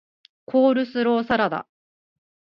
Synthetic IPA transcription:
kʰo̞ːɾɯ̟sɨɾo̞ːsaɾad̪a̰

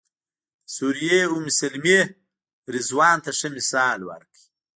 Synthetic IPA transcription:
suɾijeumisɐlme | ɾizwɑːnt̪aʂəmisɑːlwa̰ɾki̥

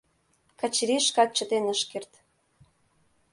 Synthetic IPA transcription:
kɑt͡ɕɾiʃkɑt̪̚t͡ɕə̆t̪enəʃkert̪

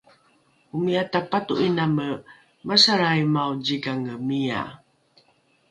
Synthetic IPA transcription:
umiatapatuʔinamə | masaɾajmaud͡ʑiɡaŋəmia̰

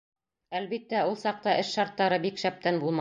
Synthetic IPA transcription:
ælβit̪ːæulˠsɑq̚t̪ɑʔɘʃʃɑɾt̪ːɑɾɤbikʃæp̚t̪ænbulˠmɑ

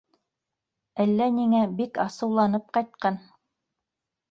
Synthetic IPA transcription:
ælːæniŋæbikɑsɤ̆wlˠɑnɤp̚qɑjt̪̚qɑn

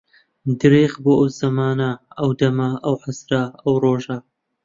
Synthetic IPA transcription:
d̪ɨɾeːχboːʔɐwzɐmaːnɐɐwd̪ɐmɐʔɐwħasɾɐɐwroːʒɐ

